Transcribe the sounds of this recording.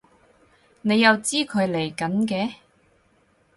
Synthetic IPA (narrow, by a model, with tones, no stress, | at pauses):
ne˨˧jːɐ˨˧wt͡siː˥kʰɵ˨˧ɥle˨˩jkɐ˨˥nkɛː˨˧˥